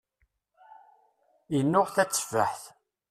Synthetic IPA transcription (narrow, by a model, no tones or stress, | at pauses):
ənːʊʁθæt͡sːvəħθ